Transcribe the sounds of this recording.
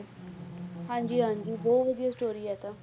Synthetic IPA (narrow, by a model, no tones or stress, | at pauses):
hãːɲd͡ʒiːɦãːɲd͡ʒiːbɔːt̪ʋəd̪ijaːsʈoːɾiːɛːt̪ãː